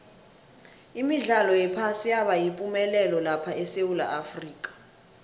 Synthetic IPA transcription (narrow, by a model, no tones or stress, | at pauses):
imiɮalɔjɛpʰasijaɓajipʼumɛlɛlɔlapʰaɛsewula̰ʔafriːk̬ʼḁ